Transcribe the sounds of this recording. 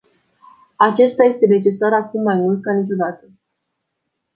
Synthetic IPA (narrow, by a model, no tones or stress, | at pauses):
at͡ʃe̞st̪aje̞st̪e̞ne̞t͡ʃe̞saɾakumːajmult̪̚kanit͡ʃo̞d̪at̪ə